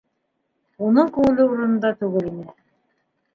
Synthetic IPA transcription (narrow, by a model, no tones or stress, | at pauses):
unɤŋkʉŋɘ̆lɘuɾɤ̆nɤ̆nd̪ɑt̪ʉɡɘlimɘ